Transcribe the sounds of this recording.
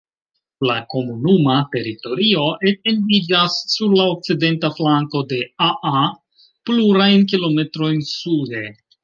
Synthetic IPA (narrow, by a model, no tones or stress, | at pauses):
lako̞munumate̞ɾito̞ɾio̞ʔe̞te̞ndid͡ʒasːuɾlao̞k̚t͡side̞ntaflaŋko̞de̞aʔa | pluɾajnk̬ilo̞me̞tɾo̞jnsude̞